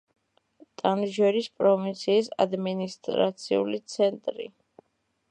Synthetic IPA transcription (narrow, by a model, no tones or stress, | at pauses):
t̪ʼanʒɛɾispʼɾɔvint̪sʰiːsa̰d̪minist̪ʼɾa̰t̪sʰḭṵlit̪sʰɛnt̪ʼɾḭ